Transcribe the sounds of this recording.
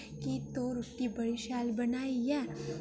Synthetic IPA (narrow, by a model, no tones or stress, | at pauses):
kit̪oɾʊʈːibɐɽiʃaːlbɐnaːijɛ